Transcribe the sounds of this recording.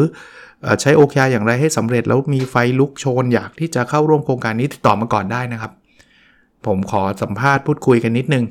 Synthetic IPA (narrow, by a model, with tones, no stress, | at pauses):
ʔəː˨˩t͡ɕʰa˦˥jʔoː˧kʰa˧jaː˧jaː˨˩ŋɾa˧jɦa˥˩jsa˩˦mɾe˨˩t̪̚ʔɛ̰˦˥wmiː˧fa˧jlu˦˥k̚t͡ɕʰoː˧njaː˨˩k̚t̪ʰiː˥˩t͡ɕa˨˩kʰa˥˩wɾu˥˩əmkʰɾoː˧ŋkaː˧nːiː˦˥i̥˨˩t̪ɔː˨˩maː˧kɔː˨˩ndaː˥˩jna˦˥kʰa˦˥p̚ʰː | o˩˦mkʰɔː˩˦sa˩˦mpʰaː˥˩t̪̚pʰuː˥˩t̪̚kʰu˧jka˧nːi˦˥t̪̚nɯ˨˩ŋ